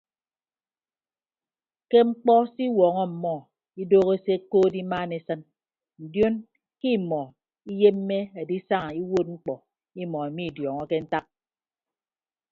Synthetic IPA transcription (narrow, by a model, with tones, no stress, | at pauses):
ke˦ŋ͡m̩˦k͡pɔ˦si˦wɔ˨ŋɔ˦m̩˨mɔ˦˨ | i˦doː˦ɣe˦se˦koː˦di˦maː˦ne˦sɨ˦n | n̩˨djo˦n | ki˦˨mɔ˨ | i˦je˦m̩ː˦e˦e˨di˦sa˦ŋa˨i˦wo˦t̚ŋ͡m̩˦k͡pɔ˨ | i˦mɔ˨e˨mi˦˨djɔ˨ŋɔ˦ke˦n̩˦ta˦k̚